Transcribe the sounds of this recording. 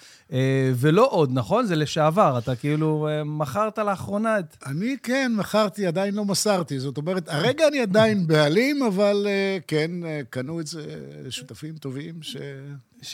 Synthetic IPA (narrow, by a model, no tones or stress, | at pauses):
eve̞lo̞ʔo̞d̪naχo̞nzeleʃeavaʁat̪akiiluemaχaʁt̪aleaχʁo̞naet̪anikenmaχaʁt̪iad̪ainlo̞masaʁt̪izo̞t̪o̞meʁet̪aʁeɡaːniad̪ainbealimavalekenekanuezeʃut̪afimt̪o̞vimʃe